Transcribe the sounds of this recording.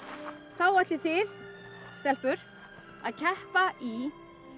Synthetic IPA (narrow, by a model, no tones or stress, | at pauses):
θawat̪lɪθɪð | st̪ɛhpʏɾ̥ | aðcʰɛhpaʔi